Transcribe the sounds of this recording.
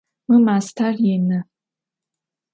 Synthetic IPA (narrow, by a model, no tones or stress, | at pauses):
mɨmaːstʰarjenɨ